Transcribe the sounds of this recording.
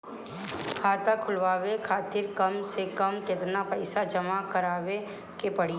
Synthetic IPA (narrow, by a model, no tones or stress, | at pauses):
kʰaːt̪akʰʊlʋaːʋekʰaːt̪ɪɾkɐmsekɐmkɪt̪napɛɪsad͡ʒɐmakɐɾaːʋe | kepɐɽi